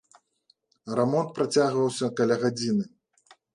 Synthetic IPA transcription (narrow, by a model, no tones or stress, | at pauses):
rɛmɔnt̪̚pɾat͡sʲaɣvɐwsʲɐkalʲaɣad͡zʲinɨ